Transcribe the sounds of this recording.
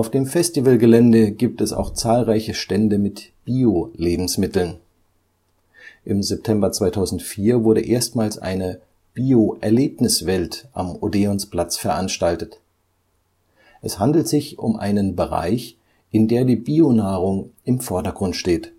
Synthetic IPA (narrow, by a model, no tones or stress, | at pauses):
ʊfd̥eːmfɛstivəlɡəlɛndəɡiːp̚tɛsa̰ʊxt͡saːlʁaɪçəʃtɛndəmɪtb̥iːoleːbm̩smɪtl̩n | ʔɪmzɛp̚tʰɛmbɐt͡sv̥aɪtʰaʊzn̩tfiːɐvʊɐɾəʔeːɐstmaːlsʔa̰ɪnə | b̥iːoʔɛɐleːpnɪsv̥ɛltʔa̰modeɔnspl̥at͡sfɛɐʔanʃtaltət | ʔɛshandl̩tz̥ɪçʊ̰mʔa̰ɪnənbəʁa̰ɪç | ʔɪndeːɐdiːbiːonaːʁʊŋɪmfɔɐdɐɡʁʊntʃteːt